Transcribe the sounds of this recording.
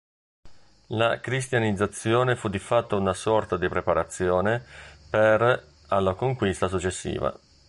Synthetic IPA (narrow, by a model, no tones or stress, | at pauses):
lakɾist̪janid̪zːat̪sːjɔːnefud̪ifat̪ːounasɔrt̪ad̪ipɾepaɾat̪sːjɔːneper | alːakoŋkwist̪as̬ut͡ʃːesːḭːva̰